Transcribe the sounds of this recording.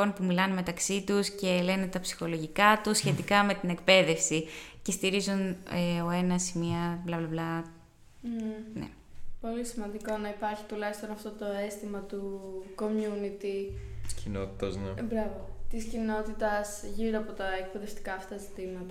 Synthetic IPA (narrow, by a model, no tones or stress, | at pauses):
o̞npumilɐneme̞t̪ɐksit̪usce̞le̞ne̞t̪ɐpsi̥xo̞lo̞ʝikɐt̪usçe̞t̪ikɐme̞t̪ine̞kpe̞ðe̞fsice̞st̪iɾizuneo̞e̞nɐsimiɐblɐblɐblɐ | nḛ | po̞lisimɐnd̪iko̞nɐipɐɾçi̥t̪ulɐjst̪onɐft̪ot̪o̞e̞st̪imɐt̪uko̞mjunit̪it̪i̥scinot̪i̥t̪ɐznebɾɐvot̪iscino̞t̪it̪ɐsʝiɾoɐpot̪ɐek̚pe̞ðeft̪i̥kɐːfɐt̪ɐzit̪imɐt̪ɐ